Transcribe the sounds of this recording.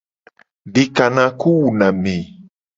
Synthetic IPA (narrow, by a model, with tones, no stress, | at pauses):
ɖe˨ka˨nã˨ku˦wu˨nã˨mẽ˨